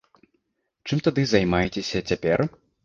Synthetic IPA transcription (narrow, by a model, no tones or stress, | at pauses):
t͡ʂɨmt̪ad̪ɨzajmajɛt͡sʲesʲɐt͡sʲapʲɛ̰r